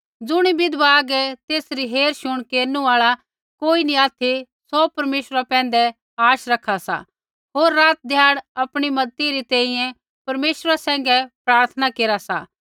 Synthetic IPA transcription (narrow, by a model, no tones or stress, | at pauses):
d͡zʊɽ̃ibɪd̪ʋaɡɛt̪eːsɾiɦeːɾʃʊɽ̃keːɾnũaːɭa | koːiniaːt̪ʰi | sɔpɐɾmeːʃɾapɛ̃ːnd̪ɛ | aːʃɾɐkʰasa̰ | ɦoːɾːaːt̪̚d̪ʱjaːɽɐpɽ̃imɐd̪t̪iɾit̪ɛ̃ːĩjɛ̃ | pɐɾmeːʃɾasɛ̃ːŋ̆ɡɛpɾaːɾt̪ʰənakeːɾasa̰